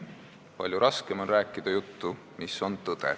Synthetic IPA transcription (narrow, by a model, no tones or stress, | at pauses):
pɑ̰ljuɾʔɑske̞mo̞nræːkːˑid̪̥ɑjut̪ːu | miso̞nt̪ɤd̪̥ḛ